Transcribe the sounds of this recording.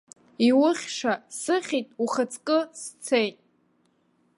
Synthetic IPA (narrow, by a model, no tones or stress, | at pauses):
iwʊχʲʂasɨχʲitʼuχət͡sʰʼkʼɨst͡sʰejtʼ